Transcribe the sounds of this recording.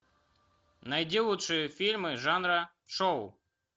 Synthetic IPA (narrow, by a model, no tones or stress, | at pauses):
najd͡zʲilˠut̪ʂɨjɛfʲilʲmɨʐanɾɐ | ʂɔw